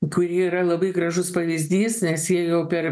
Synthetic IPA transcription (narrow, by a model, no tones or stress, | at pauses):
kʊɾʲiɛiɾɐlˠɐbɐɪɡɾɐʒʊspɐʋʲizʲd̪ʲiːsnʲɛsjiɛjɛʊpʲɛɾ